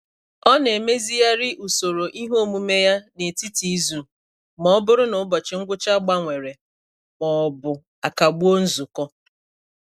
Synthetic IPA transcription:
ɔ˦ne˨me˦zi˦ja˦ɾɪ˦ʔu˨so˨ɾo˨ʔi˦ɦo˦˨mu˦me˦ja˦ne˨ti˦ti˨˦zu˨ | mɔ˨ɔ˦bʊ˦ɾʊ˦nʊ˨˦bɔ˨t͡ʃɪ˨ŋ̩˦ɡʷʊ˦t͡ʃa˦ɡ͡ba˦ŋʷe˨ɾe˨ | mɔ˨ɔ˨bʊ˨ | a˨ka˨ɡ͡bu˦o˦n̩˦zʊ˨kɔ˦

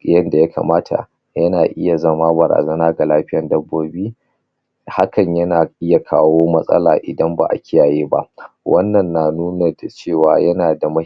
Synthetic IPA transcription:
jɐ˦nda˨ja˦ka̰˨maː˦tʰa̰˨ | jɐ˦naː˨ʔɪ˦ja˨zɐ˦maː˦bɐ˨ɾa̰ː˨zɐ˦naː˦ɡa˨laː˦ɸɪ˦jɐ˨ndɐ˦bːoː˦biː˦ | ha˦kɐ˨ɲjɐ˦naː˨ʔɪ˦ja˨kʰaː˦woː˦mɐ˦sʼɐ̰˦la̰ː˨ʔɪ˨dɐ˦mba̰˨ʔa̰˨kʲɪ˦jaː˨jeː˦ba̰˦ʔwʔɐ˦nːɐ˨nːa˨nuː˦na˨da˨t͡ʃeː˦˨waː˨jɐ˦naː˨da˨mɐ˦

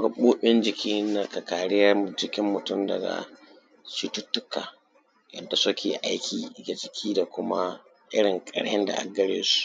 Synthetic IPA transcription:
ɡa˨ɓoː˦ɓɪ˦nd͡ʒɪ˨kʲiː˦na˨ka˨kaː˨ɽɪ˦jɐ˦˨d͡ʒɪ˨kʲɪ˦mːʊ˨tʊ˦mdɐ̰˨ɡa̰˨ | t͡ʃi˦tʊ˦tːʊ˦kːaː˨ | jɐ̰˨dːa˨sʊ˦kʲeː˨ʔa˦jkʰʲiː˨˦kʲe˨d͡ʒɪ˨kʲʰiː˦da˨kʷʊ˦ma˦ | ʔɪ̰˦ɽɪ˨ŋkʼɐ̰˨ɽjɛ˦nda̰˨ʔa̰˨ɡɡɐ˦ɽeː˦su̥˦ʔʔ

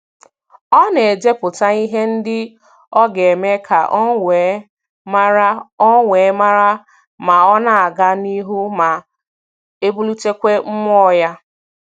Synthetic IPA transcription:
ɔ˦ne˨e˨d͡ʒe˦pʊ˨ta˦i˦ɦe˦n̩˦dɪ˦ | ɔ˦ɡe˨me˦kʰa̰˨ʔ | ŋʷe˨˦ma˦ɾa˦ | ma˨ɔ˦na˦a˨ɡa˦ni˦ɦu˦ma˨ | e˦bu˦lu˦t͡ʃe˦kʷe˦m̩˦mɔ˦ja˦

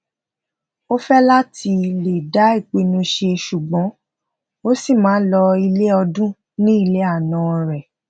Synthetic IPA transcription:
o˦fɛ˦la˦tʰi˧le˨da˨˦i˦˨k͡pe˨˧nũ˧ʃe˧ʃu˨ɡ͡bɔ̃˨˦ | o˦si˦˨mãː˨˦lɔ˧i˧le˦ɔ˧dũ˦ | nĩ˦i˦˧le˦a˦˨nã˦˧ɾɛ˨

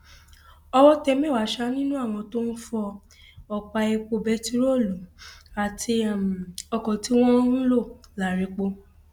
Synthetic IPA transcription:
ɔ˧wɔ˦tɛ˧mɛ̃˦˨wa˨˦ʃa˦nĩ˦nũ˦a˦˨w̃ɔ̃˧to˦n̩˦fɔ˧ | ɔ˧k͡pa˧ɛ˧k͡po˧bɛ˨˦ti˦ɾo˦˨lo˨˦a˨tʰi˧˨ɔ˧kɔ̃˨ti˨˦w̃ɔ̃˦ɾũ˦lo˦˨la˨ɾe˨˧k͡po˧

